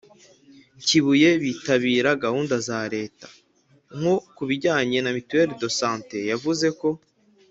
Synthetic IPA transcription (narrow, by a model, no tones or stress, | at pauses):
ciβuje̞βiːtaβiːɾaɡahuːndazaɾe̞ːtḁ | ŋ̥hokuβiɟaːɲe̞namitueɾedo̞saːnte̞javuze̞ko̞